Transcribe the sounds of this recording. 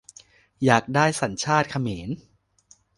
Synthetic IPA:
jaː˨˩k̚daː˥˩jsa˩˦nt͡ɕʰaː˥˩t̪̚kʰa˧meː˩˦n

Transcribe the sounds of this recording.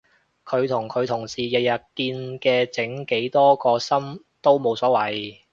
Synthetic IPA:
kʰɵ˨˧ɥt̪ʰʊ˨˩ŋkʰɵ˨˧ɥt̪ʰʊ˨˩ŋsiː˨˩jɐ˨jɐ˨˩t̚kiː˧nkɛː˧t͡sɪ˨˥ŋke˨˥jt̪ɔː˥kɔː˧sɐ˥m | t̪o˥wmo˨˧wsɔː˨˥wɐ˨˥j

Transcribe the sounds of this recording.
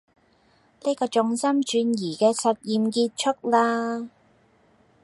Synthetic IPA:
ne˥jkɔː˧t͡ʃʊ˧ŋsɐ˥mt͡ʃyː˨˧njiː˨˩kɛː˧sɐ˨t̚jiː˨mkiː˧t̚t͡ʃʰʊ˥k̚laː˥

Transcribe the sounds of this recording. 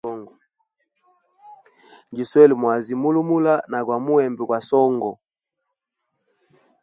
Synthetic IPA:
ɔ˦ŋɡɔ˨ | ŋɡi˨swɛ˦li˨mwa˨zi˨mu˦lu˦mu˦la˦na˨kwa˨mu˦ɛ˨mbɛ˨kwa˨sɔ˦ŋɡɔ˨

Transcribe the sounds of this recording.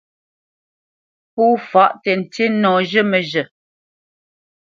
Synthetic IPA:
puː˦fa˦ʔtɛ˨n̩˨te˦nɔː˨ʒə˦mə˨ʒə˨

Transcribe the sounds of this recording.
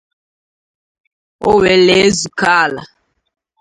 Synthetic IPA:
o̰˦we˨le˨˦zu˨ka˦˨la̰˨

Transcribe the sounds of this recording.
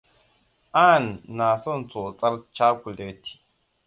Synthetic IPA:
aː˦˨nː˨aː˨sɔ˦n˨t͡so˨t͡sʼɐ˦ɾt͡ʃa˦kʷu˨le˨˦tʰi̥˨

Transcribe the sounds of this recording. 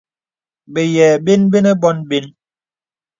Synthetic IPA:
be˨jɛː˨be˦nbe˦nɛ˦bɔ˦nbe˦n

